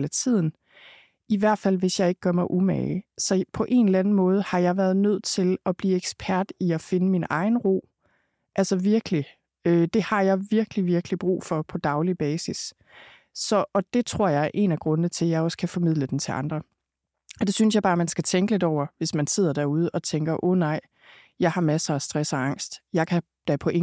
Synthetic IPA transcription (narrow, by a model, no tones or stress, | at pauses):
læt͡sʰið̰ˠn̩ | iʋæɐ̰d̥fæl̰ʋe̝sjɑ̈ɪe̝ɡ̥ə̥ɡ̥ɶɐmɑ̈ɪʔumɛ̰ɪsɒ̽pʰɒ̽ʔe̝nlænn̩mɔ̽ːð̞ˠəhɑ̈jɑ̈ɪʋæɐðˠnøð̞̰ˠt͡sʰe̝lɒ̽b̥liːeɡ̥sb̥ʰæɐ̰d̥iɒfe̝nəminɑ̈ɪn̩ʁo̝̰ː | ʔælsɒʋiɐɡ̥li | ød̥e̝hɑ̈jɑ̈ɪʋiɐɡ̥liʋiɐɡ̥lib̥ʁṵːfɒ̽pʰɒ̽d̥ɑ̈ʊlib̥ɛːsis | sɒ̽ʔɒ̽d̥e̝t͡sʰʁo̝ɐ̰jɑ̈ɪæɐʔe̝̰næɡ̥ʁɔ̽nənət͡sʰe̝ljɑ̈ɪɒ̽skʰæfɒ̽mið̰ˠləd̥ent͡sʰe̝ʔɑ̈nd̥ʁɐ | ɒd̥e̝synsjɑ̈ɪbɑ̈ːmænsɡ̥æt͡sʰeŋɡ̥əle̝d̥ɒʊ̰ɐʋe̝smænse̝ð̞̰ˠɐd̥æɐ̰uð̞ˠəʔɒ̽t͡sʰeŋɡ̥ɐʔɔːnɑ̈ɪ̰ | jɑ̈ɪhɑ̈mæsəæsd̥ʁɛsɒɑ̈ŋ̰sd̥jɑ̈ɪkʰæ | d̥æpʰɒ̽ʔe